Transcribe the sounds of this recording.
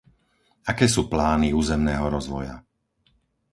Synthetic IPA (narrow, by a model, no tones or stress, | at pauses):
akɛːsuːplaːniuːzɛmnɛːɦɔɾɔzʋɔ̰ja̰